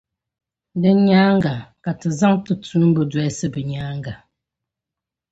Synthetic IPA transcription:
də˨ɲaː˦ŋ˦ɡa˨ka˨tə˨za˦ŋtə˨t͡su˦m̩˦bə˦dwɛ˨˦sə˦˨bə˨ɲaː˨˦ŋ˦ɡa˨

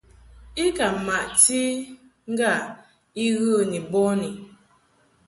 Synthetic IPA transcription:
i˦ka˨ma˨ʔti˦ | ŋ̩˦ɡa˦˨ | i˦ɣə˦ni˨bɔ˦ni˨

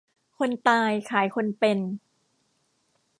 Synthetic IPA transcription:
kʰo˧nt̪aː˧jkʰaː˨˩˦jkʰo˧npe˧n

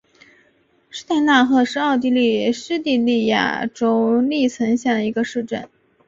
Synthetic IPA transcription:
ʂɻ̩˥t̪a˥˧ɪna˥˩xɤ˧˥ʂɻ̩˥ɑ˥˧ʊt̪̬i˥˧li˥˩ʂɻ̩˥t̪i˥˧li˥˩ja̰˨˩ʈ͡ʂo˥ʊli˥˩t͡sʰə˧˥ŋɕjɛ˥˩d̪ə˩i˧˥ɡə˧ʂɻ̩˥˧ʈ͡ʂə˥˩n

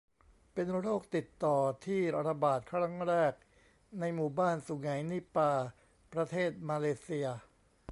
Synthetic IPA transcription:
pe˧nɾoː˥˩k̚t̪i˨˩t̪ːɔː˨˩t̪ʰiː˥˩ɾa˧baː˨˩t̪̚kʰɾa˦˥ŋɾɛː˥˩k̚ | na˧jmuː˨˩baː˥˩nsu˨˩˦ŋa˩˦jni˦˥paː˧ | pɾa˧t̪ʰeː˥˩t̪̚maː˧leː˧si˧ɐ

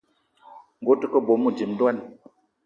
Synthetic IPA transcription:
ŋ̩˨ɡo˨˦tɨ˦kə˦bo˨mu˦˨d͡ʒi˨mdwa˦n

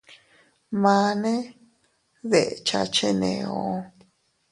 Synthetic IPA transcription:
mã˧nẽ˦ | ðe˨ʔt͡ʃa̰˧t͡ʃe˦nḛ̃˨õ˧

